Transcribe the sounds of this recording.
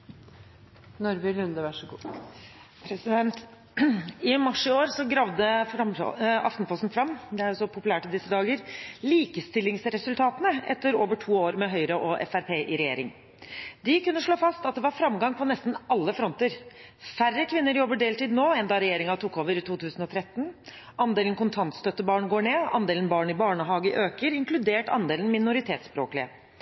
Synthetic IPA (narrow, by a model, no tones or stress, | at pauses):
nʊɾbɪlʉnd̪əʋæʂɡuː | pʰɾɛsɪd̪ɛnt̪ | ɪmɑʂɪoːɾsɔɡɾɑʋd̪əfɾɑm̰ɑ̰ft̪n̩pʰlɔst̪n̩fɾɑmːd̪ɛæɾʊsɔpʰʊpʉlæːʈɪd̪ɪsːəd̪ɑːɡəɾliːkəst̪ɪlːɪŋsɾɛsʉlt̪ʰɑːt̪ənəʔɛ̰t̪ːəɾoːʋəʈʰuːoːɾmɛɦœʏɾəʔɔʔɛ̰fæɾpʰeːʔɪɾɛjeːɾɪŋ | d̪ɪkʉnːəʂɭoːfɑst̪ɑt̪̚d̪ɛʋɑɾfɾɑmɡɑŋpʰɔnɛst̪n̩ɑlːəfɾɔnt̪əɾfærəkʰʋɪnːəɾjɔbːəɖeːlt̪iːd̪noːɛnd̪ɑːɾɛjeːɾɪŋɑt̪uːkːoːʋəɾɪt̪ʰuːt̪ʰʉːsn̩ɔt̪ʰɾɛt̪ːn | ɑnd̪eːlnkʊnt̪ʰɑnt̪st̪œt̪ːəbɑːɳɡoːɳeːɑ̰nd̪eːlən̩bɑːɳɪbɑːɳəɦɑːɡəʔøːkəɾɪŋkʰlʉd̪eːʈɑ̰nd̪eːln̩mɪnʊɾɪt̪ʰeːt̪spɾo̰ːklɪə